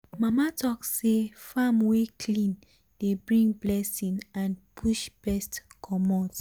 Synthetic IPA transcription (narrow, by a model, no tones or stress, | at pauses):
mamatʰɔksefamwekʰlĩn | d̥ebɹĩŋblɛsĩŋãnpʰuʃbɛstkʰɔmɔt